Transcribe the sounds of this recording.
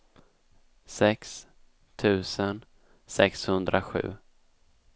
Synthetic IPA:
sɛks | t̪ʰʉ̟ːsən | sɛkshɵnd̪ɾaɧʉ̟̰ː

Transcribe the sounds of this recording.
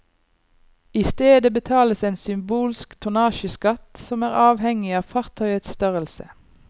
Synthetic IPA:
ɪst̪eːd̪əbət̪ʰɑːləseːnsʏmbuːlskt̪ʰʊnɑːʃəskɑt̪sɔmæːʁɑːʋhɛŋɪɑːʋfɑʁt̪ʰœʏət̪st̪œʁəlsə̰

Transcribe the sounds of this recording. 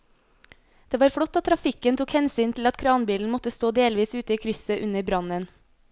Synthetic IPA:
d̪̥eːʋɑːɾfɽɔt̪ːɑt̪t̪ʰɾɑfɪkənt̪ʰuːkhɛnsyːnt̪ʰl̩ɑt̪kʰɾɑːnbiːln̩mɔt̪əst̪oːd̪eːlʋiːsʉːt̪əiːkʰɾʏsəʔʉnəɾbɾɑnən

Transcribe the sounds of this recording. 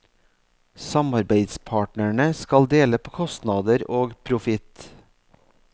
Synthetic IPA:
sɑmɑɾbeɪd̪spʰɑːʈɳəɳəskɑld̪eːləpʰoːkʰɔst̪nɑːd̪əɾoːɡpʰɾʊfɪt̪

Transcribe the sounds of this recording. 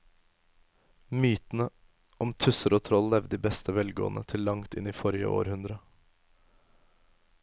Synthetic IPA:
myːt̪n̩ə | ʔɔmt̪ʰʉsəɾoːt̪ʰɾɔllɛʋd̪d̪iːbɛst̪əʋɛlɡo̰ːnʔət̪ʰɪlːɑŋt̪ɪ̰niːfɔɾɪə̰ʔo̰ːɾhʉnd̪ɾə

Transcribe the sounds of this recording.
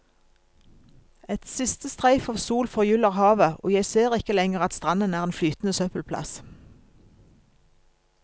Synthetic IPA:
ɛt̪sɪst̪əst̪ʁæɪfɑːʋsuːlfɔʁjʉləʁhɑːʋəʔo̰ːjæɪseːʁɪkəlɛŋəʁɑt̪st̪ʁɑnənæːʁeːnflyːt̪n̩əsœpəlpʰlɑ̰s

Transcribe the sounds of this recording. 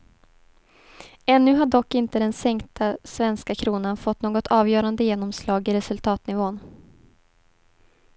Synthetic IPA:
ɛnːɵ̟ɦaɖɔkːɪnt̪əd̪ɛnsɛŋkt̪ʰasvɛnskakʰɾuːnanfɔt̪ːnoːɡɔt̪ʰɑːvjœːɾand̪əjeːnɔmslɑːɡɪɾɛsɵlt̪ʰɑːt̪nɪvoːn

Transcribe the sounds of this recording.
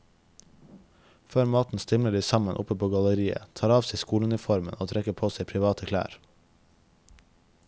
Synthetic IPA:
føːɾmɑːt̪n̩st̪ɪmləɖiːsɑmənʔʊ̰pəpʰoːɡɑləɾiːə̰t̪ʰɑːɾɑːʋseɪskuːləʉnɪfɔɾmə̰noːt̪ʰɾɛkəpʰoːseɪpʰɾɪʋɑːt̪əkʰlæ̰ːɾ

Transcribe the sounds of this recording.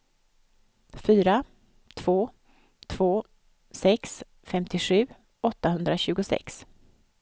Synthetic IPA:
fyːɾa | t̪ʰv̥oː | t̪ʰv̥oː | sɛks | fɛmt̪ʰɪɧʉ̟ː | ɔt̪ːahɵnd̪ɾaɕʉ̟ːɡʊsɛ̰ks

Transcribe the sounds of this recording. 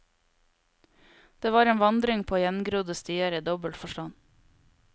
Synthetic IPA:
d̪̥eːʋɑːɾeːnʋɑnd̪ɾɪŋpʰoːoːjɛnɡɾuːd̪əst̪yːəɾiːd̪ɔbəlt̪fɔʃʈɑn

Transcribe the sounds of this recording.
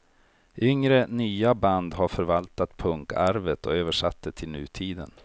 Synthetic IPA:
ʔʏŋɾənyːaband̪ɦaɾfœɾvalt̪at̪pʰɵŋkæɾvət̪ʰɔøːvəʂat̪ːət̪ʰɪlnʉ̟ːt̪ʰiːd̪ə̰n

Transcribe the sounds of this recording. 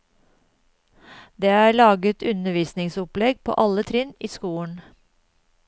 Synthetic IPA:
d̪eːæːɭɑːɡət̪ʰʉnəʋiːsnɪŋsʊplɛɡpʰo̰ːʔɑlət̪ʰɾɪniːskuːəɳ

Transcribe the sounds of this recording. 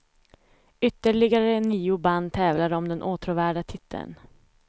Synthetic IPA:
ʏt̪ːəɭɪɡaɾəniːʊband̪t̪ʰɛːvlaɾɔmd̪ɛnʔoːt̪ʰɾʊvæːɖat̪ʰɪt̪ʰːə̰n

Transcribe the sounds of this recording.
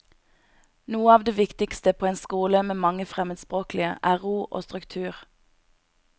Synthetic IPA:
nuːəɑːʋd̪eːʋɪkt̪ɪkst̪əpʰoːeːnskuːləmeːmɑŋəfʁɛməd̪spʁoːkl̩ɪə̰ʔæːʁuːʔo̰ːst̪ʁʉkt̪ʰʉːʁ

